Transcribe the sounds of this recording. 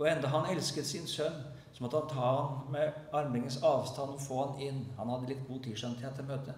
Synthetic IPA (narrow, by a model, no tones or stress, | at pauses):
ɔɛnd̪ɑɦɑnɛlskət̪sɪnsœnː | sɔmɔt̪əhɑnt̪ʰɑːhɑnmɛɑɾmɪŋənsɑːʋst̪ɑnːɔfoːɑnɪnːhɑnhɑd̪ːəlɪt̪̚ɡuːt̪ʰiːʂɛnɪt̪ʰeːt̪ʰːəlmøːt̪ʰə